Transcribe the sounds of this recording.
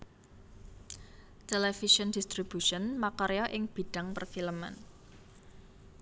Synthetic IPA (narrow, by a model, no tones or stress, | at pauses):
t̪ɛlɛfisɔnd̥ist̪ɾib̥uʃɔnmakɔɾjɔʔɪŋb̥i̤ɖ̥a̤ŋpərfiləma̰n